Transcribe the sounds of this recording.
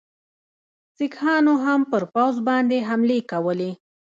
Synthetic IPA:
sɪkhɑnoɦampəɾpawzbɑnd̪eɦamlekawəle

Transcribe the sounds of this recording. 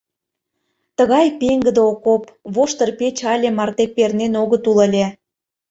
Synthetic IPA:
t̪əɣɑjpeŋɡə̆d̪eokopβoʃt̪ə̆rpet͡ɕɑlʲĕmɑrt̪epernenoɣə̆t̪ulə̆lʲe

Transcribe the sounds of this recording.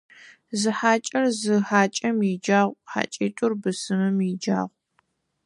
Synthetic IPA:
zɨħaːt͡ʃʼɐrzɨħaːt͡ʃʼɐmjid͡ʒaːʁʷħa̰ːt͡ʃʼeːtʷʼʊrbɨsɨmɨmjid͡ʒa̰ːʁʷ

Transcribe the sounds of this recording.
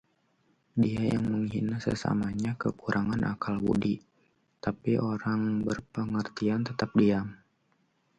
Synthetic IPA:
diaja̰ŋməŋɦinasə̰sa̰maɲakəkuɾʔaŋanʔa̰kalwṵdi | t̪apiʔoɾaŋbərpəŋərt̪iant̪ət̪ap̚diam

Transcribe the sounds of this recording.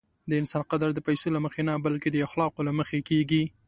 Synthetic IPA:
d̪əɪnsɑnqad̪aɾd̪əpajsolaməxenabalked̪əaxlɑqolaməxekeɡi

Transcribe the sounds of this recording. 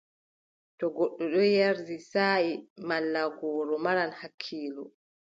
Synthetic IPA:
tɔɡɔɗːɔɗɔjaɾdisaːimalːaɡɔːɾɔmaɾanhakʰːiːlɔ

